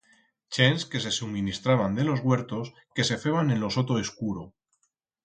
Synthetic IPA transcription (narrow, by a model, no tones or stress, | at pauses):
t͡ʃenske̞se̞sumĩnist̪ɾaβand̪e̞lo̞zɣwe̞ɾt̪o̞s | ke̞se̞fe̞βanẽ̞nlo̞so̞t̪o̞eskuɾo